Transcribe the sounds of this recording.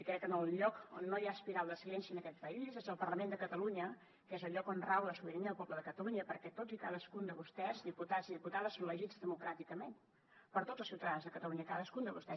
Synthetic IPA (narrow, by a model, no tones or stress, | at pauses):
ikɾɛkːənəlˠʎɔkonːojaəspiɾalˠd̪əsilɛnsiənəkɛt̪̚pəizezəlˠpərləmend̪əkət̪əluɲə | kezəlʎɔkonrawləsuβiɾiniðəlˠpɔbləðəkət̪əluɲəpəɾkɛt̪od͡zikaðəskund̪əβust̪ɛzðiput̪aziðiput̪aðəsːonləʒid͡zðəmukɾat̪ikəmen | pəɾt̪o̥zəlˠsiwt̪əðanzðəkət̪əluɲəkaðəskund̪əβust̪ɛ